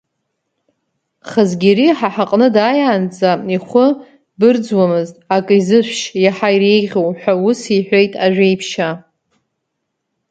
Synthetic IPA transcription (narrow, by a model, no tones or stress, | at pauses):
χazɡʲiɾiħaħaqʼnɨdajaːnd͡zaiχʷʊ | bɨrd͡zwamɨztʼakʼizɨʃʷʃjaħajire̞jʁʲowħʷᶣawʊsiħʷᶣo̞jtʼaʒᶣʷejpʰʃa